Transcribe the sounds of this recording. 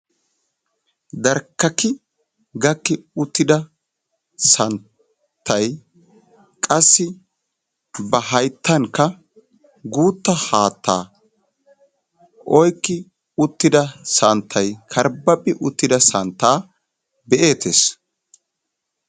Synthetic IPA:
d̪ɐɾkːɐkɪ | ɡɐkːɪʊt̪ːɪd̪ɐ | sɐn | t̪ʰːɐj | kʼɐsːɪ | bɐɦɐjt̪ʰːɐŋkːɐ | ɡuːt̪ːɐhaːt̪ːa̰ː | ʔɔjkːɪ | ʊt̪ːɪd̪ɐsɐnt̪ʰːɐjkʰɐɾbɐpʼɪʔʊt̪ːɪd̪ɐsɐnt̪ːaː | bɛʔeːt̪ʰeːs

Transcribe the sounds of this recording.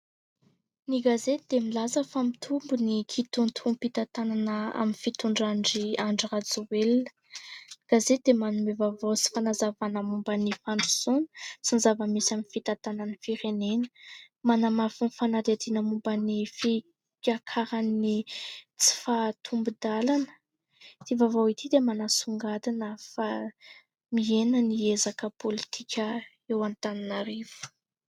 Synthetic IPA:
niɡazet̪d̪emilazəfamit̪ʰumbunikʰit̪unt̪ʰumpit̪at̪ananəa̰minfit̪uɳɖ͡ʐaɳɖ͡ʐiaɳɖ͡ʐirat͡suwelinə̥ | ɡ̥azed̪emanumevavot͡si̥fanazavanəmumbənifaɳɖ͡ʐu̥sonsinizavəmisiaminfit̪at̪ananəfiɾenenə̥ | manamafinifanaɾiad̪inəmumbənifi | kʲakʰaɾanːit͡si̥fat̪ʰumbud̪alanə̥ | t̪ivavowit̪ʰid̪emanasuŋɡad̪inəfa | mienəniezakəpolit̪ʰikʲə | ewant̪aninaɾivu̥

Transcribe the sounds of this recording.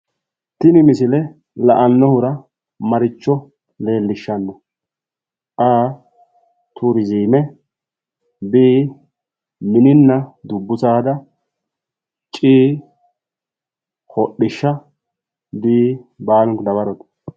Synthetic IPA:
t̪ɪnɪmɪsɪlɛ | lɐʔɐnːɔhʊɾɐ | mɐɾɪt͡ʃːɔ | le̞ːlːɪʃːɐnːɔ | ʔaː | t̪ʰuɾɪziːmɛ | biː | mɪnɪnːɐd̪ʊbːʊsaːd̪ɐ | t͡ʃʼiː | hɔɗːɪʃːɐ | biːbaːlʊŋkd̪ɐbɐɾɔt̪

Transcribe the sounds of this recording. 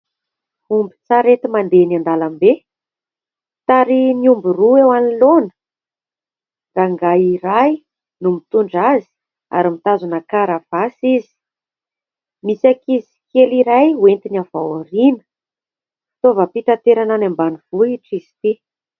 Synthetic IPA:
fumbi̥t͡saɾet̪imand̪enand̪alambe | t̪aɾiniumbiruewanilonə̥ | raŋɡajiɾaj | numit̪uɳɖ͡ʐazi̥ | a̰ɾimit̪azunakaɾav̥asizi̥ | misakizi̥keliɾajwent̪inavawaɾinə̥ | fi̥t̪ovəpiʈ͡ʂat̪eɾananambaniv̥uiʈ͡ʂisi̥t̪i

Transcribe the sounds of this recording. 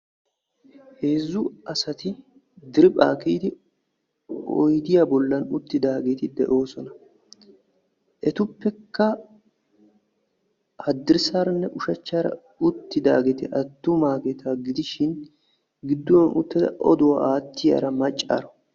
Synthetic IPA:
he̞ːzːʊɐsɐt̪ɪ | d̪ɪɾɪpʼa̰ːkiːd̪ɪ | ɔ̰jd̪ɪjabɔlːɐnʊt̪ːɪd̪aːɡe̞ːt̪ɪd̪ɛ̰ʔo̞ːsɔnɐ | ʔɛt̪ʊpːɛkːɐ | hɐd̪ːɪɾsaːɾɐnːɛʔʊʃɐt͡ʃːaːɾɐ̰ | ʊt̪ːɪd̪aːɡeːt̪ɪʔɐt̪ːʊmaːɡɛt̪ʰaːɡɪd̪ɪʃɪn | ɡɪd̪ːʊwɐnʔʊ̰t̪ːɪd̪ɐ̰ʔɔ̰d̪ʊwɐaːt̪ːɪja̰ːɾɐmɐt͡ʃʼːa̰ːɾɔ

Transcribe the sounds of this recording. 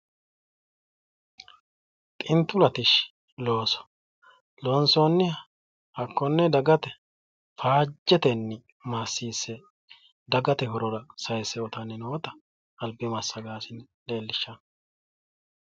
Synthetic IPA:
t̪ʼɪnt̪ːʊlɐt̪ɪʃ | lo̞ːsɔ̥ | lɔnsoːnːɪhɐ | hɐkːɔnːɛd̪ɐɡɐt̪ɛ | faːd͡ʒːɛt̪ɛnːɪ | masːiːsːɛ | d̪ɐɡɐt̪ɛhɔɾɔɾɐsɐjsːɛɔt̪ɐnːɪnoːt̪ɐ | ɐlbɪmɐsːɐɡaːsɪnle̞ːlːɪʃːɐn

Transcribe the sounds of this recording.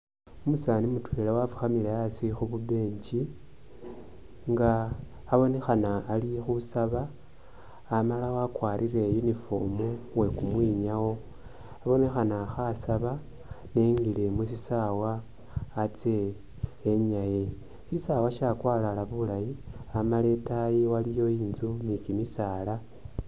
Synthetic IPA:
omusaːnimutwe̞ːlawafu̥xamileasixuβube̞ːɲɟi | ŋɡaː | βo̞ne̞xanaːlixusaβaː | malawakwaːɾʔire̞junifo̞muwe̞kumwiɲawo̞ | aβo̞ne̞xanaxasaβa | ne̞ŋɡile̞musisawaː | t͡seː | ɲaji | sisawaʃakwaːlalaβulajiamale̞tajiwalijo̞iːnzunikimisaːla

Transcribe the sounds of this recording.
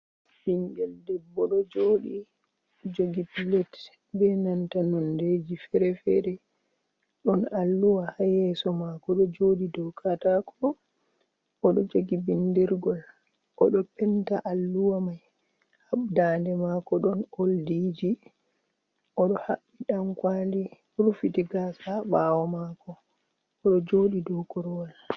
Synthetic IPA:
binɡɛldɛbːɔɗɔd͡ʒoːɗi | d͡ʒoɡipilɛt | bɛnantanɔnded͡ʒifɛɾɛfɛɾɛ | ɗɔnalːuwahajɛsɔmakɔɗɔd͡ʒoɗidɔwkatakʰɔ | ʔɔɗɔd͡ʒoɡibindiɾɡɔl | ʔɔɗɔpɛntaʔalːuwamaj | haɓdandɛmakɔɗɔnoldid͡ʒi | ʔɔɗɔhaɓːiɗamkwali | uɾufitiɡasabawɔmakɔ | ɔɗɔd͡ʒoːɗidɔkɔɾwal

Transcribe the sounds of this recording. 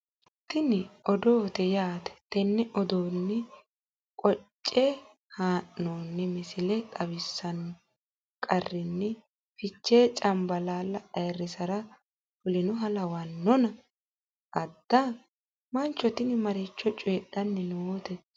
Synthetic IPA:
t̪ɪnɪɔd̪oːt̪ɛjaːt̪ɛ̥t̪ɛnːɛʔɔd̪oːnːɛ | kʼɔt͡ʃʼːe | haːʔːoːnːɛmɪsɪlɛt̪ʼɐβɪsːɐn | kʼɐrːɪnːɛ | fɪt͡ʃːeːt͡ʃʼɐmbɐlaːlːɐʔɐjɛrːɪsɐɾɐ | fʊlɪnʊɦɐlɐwɐnːɔnɐ | ʔɐd̪ːa | mɐnt͡ʃːɔt̪ɪnɪmɐɾɛt͡ʃːɔt͡ʃʼeːɗɐnːɛnooːt̪ɛ

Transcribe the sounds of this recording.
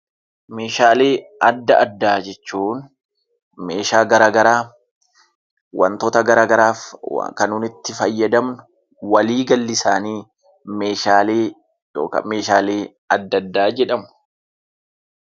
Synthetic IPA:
me̞ːʃaːle̞ːɐd̪ːɐʔɐd̪ːaːd͡ʒɛt͡ʃːuːn | me̞ːʃaːɡɐɾaːɡɐɾaː | wɐ̰nt̪ot̪ɐɡɐɾaːɡɐɾaːfkɐnʊnɪt̪ːɪfɐjːɐd̪ɐmnʊ | wɐliːɡɐlːɪsaːniː | me̞ːʃaːleː | jo̰ːkɐ̰me̞ːʃaːle̞ː | ɐd̪ːɐd̪ːaːd͡ʒɛᶑɐmʊ̥

